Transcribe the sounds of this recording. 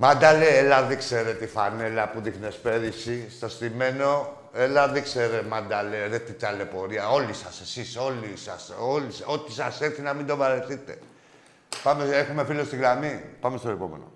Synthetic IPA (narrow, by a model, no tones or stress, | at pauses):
mand̪aleelaðikse̞ɾet̪ifane̞lɐpuðifnespe̞ðisist̪ost̪ime̞no̞ | e̞laðikseɾemad̪aleɾet̪it̪ale̞po̞ɾiɐo̞lisɐse̞siso̞lisɐ̰soliso̞t̪isɐseɾθinɐmind̪o̞vɐɾeθit̪e̞̰ | pameexume̞filost̪iɣɾamipɐme̞st̪oepo̞mḛno̰